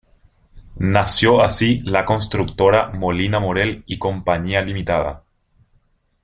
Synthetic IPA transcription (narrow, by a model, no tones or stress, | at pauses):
nasjoasilako̞nst̪ɾukt̪oɾamo̞linamoɾeliko̞mpaɲialimit̪aða̰